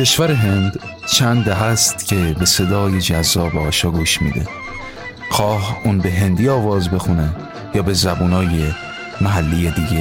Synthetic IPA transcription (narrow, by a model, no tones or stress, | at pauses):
cʰe̞ʃvæɾe̞ɦe̞nd̪̥t͡ʃʰænd̪d̪æɦæst̪cʰe̞be̞se̞d̪ɒːje̞d͡ʒæzːɒːbeɒːʃɒːɡuːʃmḭːd̪ḛ | xʰɒːhʔuːnbe̞ɦe̞nd̪iːɒːvɒːzbe̞xune̞ | jɒːbe̞zæbuːnɒːje̞ | mæɦælːijed̪iːɟe